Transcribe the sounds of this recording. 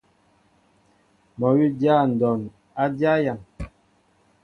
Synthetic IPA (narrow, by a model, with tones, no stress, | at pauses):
mɔ˨wi˦dja˦˨n̩˨dɔ˨n | a˦dja˦ja˨ŋ